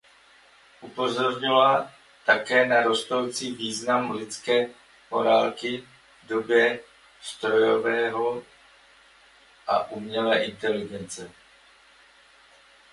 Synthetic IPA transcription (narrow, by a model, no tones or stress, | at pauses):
ʔupo̞zo̞ɾɲɪla | t̪akɛːnaɾost̪o̞wt͡siːviːznamlɪt͡skɛː | moɾalkɪ | dobjɛ | st̪ɾo̞jovɛːɦo | ʔa̰ʔumɲɛlɛːʔɪnt̪ɛlɪɡɛnt͡sɛ